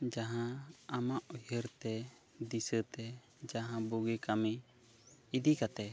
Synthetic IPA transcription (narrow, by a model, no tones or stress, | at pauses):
d͡ʒaɦãamaʔɔjəɾt̪ɛ | d̪isət̪ɛ | d͡ʒaɦãbuɡikami | id̪ikat̪ɛ